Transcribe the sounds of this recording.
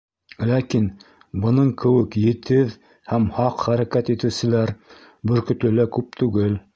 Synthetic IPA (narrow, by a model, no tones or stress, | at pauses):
lækin | bɤ̆nɤɴkɘ̆wɘkjɘ̆t̪ʰɘð | hæmhɑqχæɾækæt̪it̪ɘ̆wsɘ̆læɾ | bɵ̆ɾkɵ̆t̪lɘ̆lækʉp̚t̪ʉɡɘl